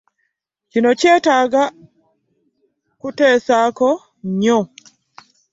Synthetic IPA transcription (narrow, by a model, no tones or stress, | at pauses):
d͡ʒinɔt͡ʃɛtaɡa | kutɛːsakɔ | ɲɔ